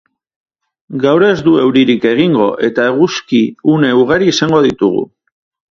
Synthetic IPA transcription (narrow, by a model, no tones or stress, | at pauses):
ɡawɾe̞zd̪ue̞wɾiɾike̞ɣ̞iŋɡo̞ʔe̞t̪aeɣuskiune̞uɣ̞aɾiːsaŋɡo̞ðit̪uɣṵ